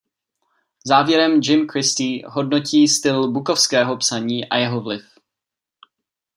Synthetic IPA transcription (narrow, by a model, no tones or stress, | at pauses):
zaːvjɛɾɛmd͡ʒɪmkɾɪst̪iːɦo̞dno̞ciːst̪ɪlbuko̞fskɛːɦo̞psaɲiːʔa̰jɛɦovlɪf